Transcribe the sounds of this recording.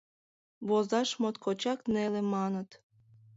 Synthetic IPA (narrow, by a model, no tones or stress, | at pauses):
βozɑʃmot̪kʰot͡ɕɑknelemɑnət̪